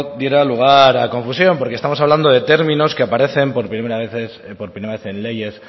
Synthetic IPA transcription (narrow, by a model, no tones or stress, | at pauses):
d̪je̞ɾaluɣ̞aɾako̞ɱfusjo̞mpoɾkest̪amo̞saβ̞land̪o̞ðe̞t̪e̞ɾmĩno̞skeapaɾe̞θe̞mpoɾpieɾaβeθespoɾpɾimeɾaβeθe̞nle̞ʝe̞s